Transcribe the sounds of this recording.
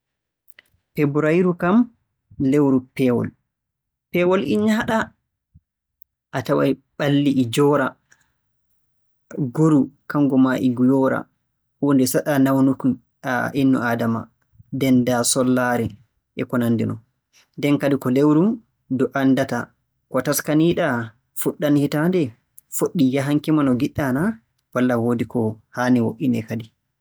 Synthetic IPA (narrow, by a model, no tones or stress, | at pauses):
pebuɾajɾukam | lewɾupɛwɔ̰l | pɛwɔlʔiɲahaɗa | ʔatawa̰jɓalːiʔːd͡ʒɔɾa | ɡoɾukaŋɡɔmaʔiɡujɔɾa̰ | wondɛsaɗanawnuk | ʔinːɔ̰ʔaːdama̰ | dɛndasɔlːaɾɛ | ʔɛkɔnandḭnɔ | ndɛnkadikɔlewɾum | dɔʔandata̰ | kɔtaskaniːɗa | fuɗːanhitandɛ | foɗːijaɦaŋkimanɔɡiɗːana | walːawodikɔhaːniwoʔinɛkadi